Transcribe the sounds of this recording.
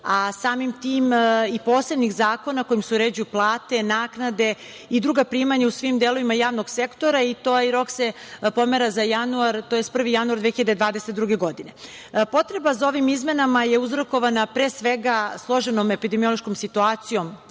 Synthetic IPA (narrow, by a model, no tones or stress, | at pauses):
asaːmimt̪iːmipoːse̞bnixzaːko̞nako̞jimseuɾeːd͡ʑujuplˠaːt̪e̞naːknad̪e̞ | id̪ɾuːɡapɾiːmaɲausʋimd̪eloʋimajaːʋnoɡsekt̪o̞ɾait̪oːiɾo̞ksepo̞meɾazajanuaɾt̪ojest̪pr̩ʋijanuaɾd̪ʋeːxiʎad̪ed̪ʋaːd̪eset̪d̪ɾuɡe̞ɡo̞d̪ine̞ | po̞t̪ɾe̞bazao̞ʋimizme̞namajeuzɾoko̞ʋanapɾesʋeɡaslˠo̞ʒenome̞pid̪emio̞lˠo̞ʃkomsit̪uaːt̪sijo̞m